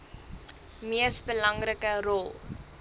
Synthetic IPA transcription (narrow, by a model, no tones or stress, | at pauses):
miəsbəlɐŋrəkərɔlˠ